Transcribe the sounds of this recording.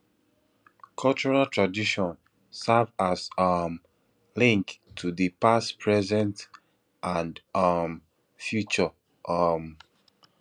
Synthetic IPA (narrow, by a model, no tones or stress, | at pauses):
kʰɔlt͡ʃuɹaltɹadiʃɔ̃n | sɛvazam | lĩŋktʰudipaspʰɹɛzɛ̃nt | ʔãndam | fjut͡ʃɔ | ʔʌm